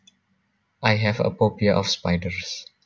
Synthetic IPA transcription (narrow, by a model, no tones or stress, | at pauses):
ʔajɦɛvə̰popiaʔɔfspajdəɹs